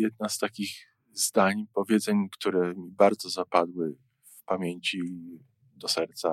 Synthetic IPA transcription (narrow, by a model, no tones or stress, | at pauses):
jɛd̪̚nast̪akʲiɣ | zd̪aɲpɔvʲjɛd̪zɛɲkt̪uɾɛmʲibaɾd̪zɔzapad̪wɘ | fpamʲjeɲt͡ɕi | d̪ɔsɛɾt̪sa